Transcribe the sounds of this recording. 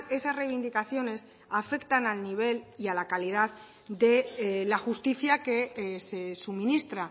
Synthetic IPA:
e̞sazrejβ̞ind̪ikaθjo̞ne̞s | afe̞kt̪analniβ̞e̞lialakalið̞að | d̪e̞laxust̪iθjake̞se̞sumĩnist̪ɾa

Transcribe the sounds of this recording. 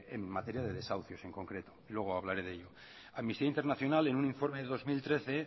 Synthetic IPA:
ḛmːat̪e̞ɾjaðe̞ðe̞sawθjo̞se̞ŋko̞ŋkɾe̞t̪o̞̥ilwe̞ɣ̞oaβ̞laɾe̞ðe̞ʎo̞ | aðmist̪iaint̪eɾnaθjo̞nale̞nuniɱfo̞ɾmeðeðo̞zmilt̪ɾe̞θe̞

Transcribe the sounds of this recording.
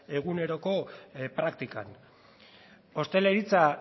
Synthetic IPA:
e̞ɣ̞une̞ɾo̞ko̞pɾakt̪ika̰n | o̞st̪e̞le̞ɾit͡sa

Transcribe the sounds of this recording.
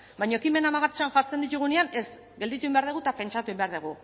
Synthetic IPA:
bajɲo̞kime̞namaɣat͡ʃanʝaɾt͡se̞nd̪it̪̬uɣuneane̞z | ɡeld̪it̪uimbeaɾðeɣ̞ut̪ape̞nt͡ʃat̪uembe̞aɾðuɣ̞u

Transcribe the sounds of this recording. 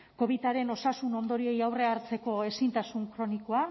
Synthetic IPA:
ko̞βit̪aɾe̞no̞sasuno̞nd̪o̞ɾie̞jawre̞aɾt͡se̞ko̞e̞sint̪asuŋkɾo̞niko̞a

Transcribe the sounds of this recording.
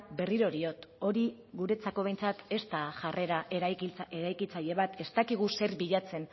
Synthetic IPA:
be̞riɾo̞ɾio̞t̪o̞ɾi | ɣuɾe̞t͡sako̞βe̞jnt͡sat̪e̞st̪aʝare̞ɾaʔeɾajkit͡saʎe̞βat̪e̞st̪akiɣ̞use̞ɾβiʎat͡se̞n

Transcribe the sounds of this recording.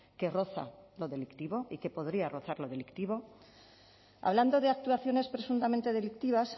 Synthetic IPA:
ke̞ro̞θa̰lo̞ðe̞likt̪iβo̞ike̞po̞ðɾiaro̞θaɾlo̞ð̞elikt̪iβo̞ | a̰βland̪o̞ðeak̚t̪uaθjo̞ne̞spɾe̞sunt̪amẽnt̪e̞ð̞e̞lik̚t̪iβ̞as

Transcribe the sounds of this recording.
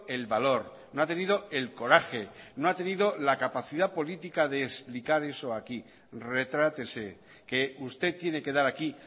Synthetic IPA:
e̞lβalo̞ɾ | noat̪e̞niðo̞e̞lko̞ɾaxe̞noat̪e̞niðo̞lakapaθiðapo̞lit̪ikaðe̞ːsplikaɾe̞so̞aki | re̞t̪ɾat̪e̞se̞ | ke̞ust̪e̞t̪ːje̞ne̞ke̞ðaɾaki

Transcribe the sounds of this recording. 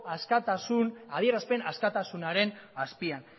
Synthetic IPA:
askat̪sunaðieɾaspe̞naskat̪asunaɾe̞naspian

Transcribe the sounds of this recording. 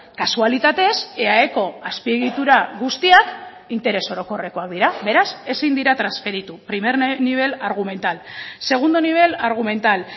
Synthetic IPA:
kasualit̪at̪e̞se̞ae̞ko̞aspie̞ɣit̪uɾaɣust̪iak | int̪e̞ɾeso̞ɾo̞ko̞re̞ko̞ak̚d̪iɾabe̞ɾase̞sind̪iɾat̪ɾansfe̞ɾit̪upɾime̞ɾniβ̞e̞laɾɣ̞ume̞nt̪alse̞ɣ̞und̪o̞niβ̞e̞laɾɣ̞ume̞nt̪al

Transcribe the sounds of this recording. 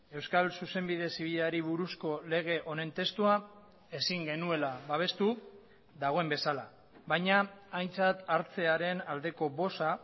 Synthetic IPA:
e̞wskalsuse̞mbiðe̞siβ̞iʎeaɾiβ̞uɾusko̞le̞ɣ̞e̞ʔo̞ne̞nt̪e̞st̪ua | e̞siŋɡe̞nue̞laβaβ̞e̞st̪u | ðaɣ̞o̞e̞mbe̞sala | βajɲaːjnt͡sat̪aɾt͡se̞aɾe̞nald̪e̞ko̞βo̞sa

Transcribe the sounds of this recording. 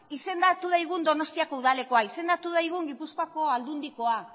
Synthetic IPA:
ise̞nd̪at̪uðajɣ̞und̪o̞no̞st̪iako̞uðale̞ko̞aise̞nd̪at̪uðajɣ̞uŋɡipuskoako̞ald̪und̪iko̞a

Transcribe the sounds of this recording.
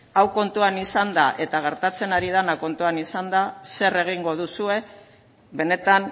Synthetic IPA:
awko̞nt̪uanisand̪aʔe̞t̪aɣ̞e̞ɾt̪at͡se̞naɾið̞anako̞nt̪uanisand̪ase̞re̞ɣ̞iŋɡo̞ð̞usue̞ | be̞ne̞t̪an

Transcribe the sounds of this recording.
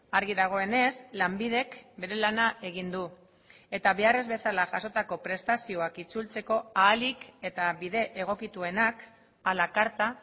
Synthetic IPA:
aɾɣiðaɣ̞o̞e̞ne̞slambiðe̞kbe̞ɾe̞lanaʔe̞ɣ̞ind̪u | e̞t̪aβe̞are̞zβe̞salaʝaso̞t̪ako̞pɾe̞st̪asio̞akit͡sult͡se̞ko̞aːlike̞t̪aβiðe̞ʔeɣ̞o̞kit̪ue̞nak | alakaɾt̪a

